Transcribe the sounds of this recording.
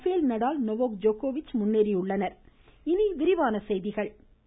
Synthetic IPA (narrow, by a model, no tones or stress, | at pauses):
feːlnɐɽaːlnɔʋoːk̚d͡ʒoːkoːʋɪt͡ʃːmʊnːeːɾiʊɭːɐnɐɾ | ɪniʋɪɾɪʋaːnɐsɛjðɪɣɐɭ